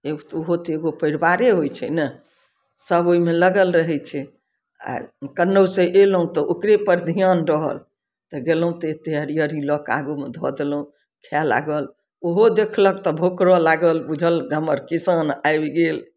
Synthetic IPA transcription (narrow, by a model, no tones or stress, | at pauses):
eɡot̪oɦot̪eɡopəɪɾbaɾeɦojt͡ʃʰɛ̰nə | səboimeləɡəlɾəɦɛt͡ʃʰɛ | a̰kənːəwsẽʔeləɦũt̪ɔʔokɾepəɾd̪ʱijanɾəɦə̰l | t̪ɔɡelũt̪et̪eəɾijəɾilɔka̰ɡumed̪ʱɔ̰d̪eləũ | kʰala̰ɡəl | oɦod̪ekʰləkt̪ɔbʱokɾɔlaɡəlbud͡ʒʱəlɡʱəməɾkisənajbɡel